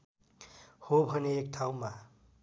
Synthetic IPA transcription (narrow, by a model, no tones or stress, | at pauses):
hobʱʌneːkʈʰaw̃ma